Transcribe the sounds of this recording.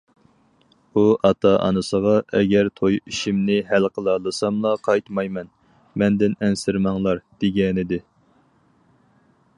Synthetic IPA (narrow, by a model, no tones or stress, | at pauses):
uʔɑt̪ʰɑʔɑ̰nɨsəʁɑʔɛɡʲɛɾt̪ʰojiʃimnɪɦælqʰəlˠɑlˠɨsɑmlˠɑqʰɑjt̪mɑjmɛn | mɛnd̪ɪnɛnsɪɾmɑŋlˠɑɾd̪̥ɪɡʲɛnɪd̪ɪ